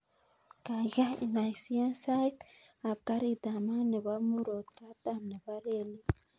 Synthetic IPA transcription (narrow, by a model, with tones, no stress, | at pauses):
ka˨ʒa˦ḭ˨na˨jsi˦a˦nsa˦jt̪ | a˨b̚ka˦ɾi˦d̪a˨ma˦ne˨βa˦mu˦ɾo˨t̪ka˦d̪a˦˨mne˨βa˦ɾe˦˨li˦